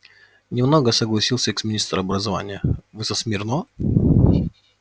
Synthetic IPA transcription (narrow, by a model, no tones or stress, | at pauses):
nʲɪmnoɡəsəɡlˠɐsʲilˠsʲəɛksmʲɪnʲist̪ɾəɐbɾəzɐva̰nʲɪjəvɨsəsmʲɪrno